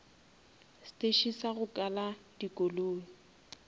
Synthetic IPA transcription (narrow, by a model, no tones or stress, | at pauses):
stʼeʃisaɣʊkʼaladikʼoloː